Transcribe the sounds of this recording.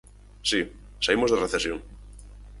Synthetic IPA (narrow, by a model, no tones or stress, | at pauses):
si | saimozðereθesjoŋ